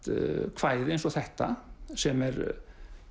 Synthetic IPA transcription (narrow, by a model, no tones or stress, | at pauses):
t̪kʰvaːjðɪejnsɔθɛht̪asɛmɛɾ